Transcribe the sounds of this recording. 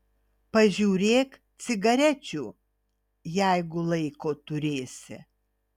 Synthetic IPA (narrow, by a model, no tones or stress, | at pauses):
pɐʒʲuːɾʲeːkt̪sʲɪɡɐɾʲɛt͡ʃʲuː | jæɪɡʊlˠɐɪkoːt̪ʊɾʲeːsʲɪ̰